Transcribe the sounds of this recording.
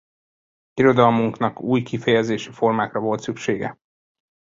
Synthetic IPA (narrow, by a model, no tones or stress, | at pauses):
iɾo̞d̪ɒlmuŋknɒkuːjkifɛjɛzeːʃifo̞rmaːkrɒvo̞lt̪sykʃeːɡɛ̰